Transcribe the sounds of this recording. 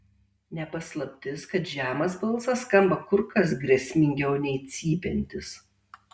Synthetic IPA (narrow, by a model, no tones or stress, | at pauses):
nʲɛpɐslˠɐpʲt̪ʲɪskɐt̪ʒʲæːmɐsbɐlˠˑsɐskɐmbɐkʊɾkɐs̬ɡɾʲɛsʲmʲɪŋʲɡʲɛʊnʲɛɪt̪sʲiːpʲɛnʲt̪ʲɪs